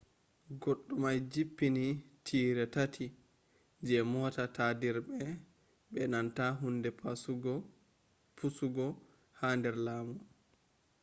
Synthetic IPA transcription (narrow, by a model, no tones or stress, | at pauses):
ɡoɗːumajd͡ʒipːinitʰiːɾɛtatʰi | d͡ʒɛmɔːtatadiɾbɛ | bɛnantaɦundɛ | pusuɡɔ | haːndɛɾlaːmu